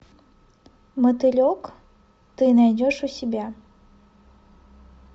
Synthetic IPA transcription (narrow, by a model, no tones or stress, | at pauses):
mət̪ɨlʲok | t̪ɨnajdʲoʂusʲɪbʲa